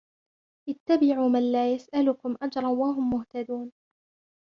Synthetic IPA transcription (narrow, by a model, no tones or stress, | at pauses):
ʔɪt̪ːabɪʕuːmanlaːjasʔalʊkʊmʔad͡ʒɾˤɑnwaɦʊmːʊht̪ad̪uːn